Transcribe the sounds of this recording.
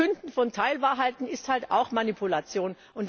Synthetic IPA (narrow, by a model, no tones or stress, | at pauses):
ʏndn̩fɔntʰaɪlvaːɐɦaɪtn̩ɪsthalta̰ʊxmanipʰulat͡sjoːn | ʔʊnt